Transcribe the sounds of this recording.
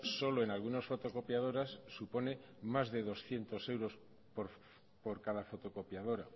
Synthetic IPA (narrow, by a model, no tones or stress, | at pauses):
so̞lo̞enalɣunasfo̞t̪o̞ko̞pjað̞o̞ɾasːupo̞ne̞ | mazðe̞ðo̞sθje̞nt̪o̞se̞wɾo̞s | poɾ | po̞ɾkaðafo̞t̪o̞ko̞pjaðo̞ɾa̰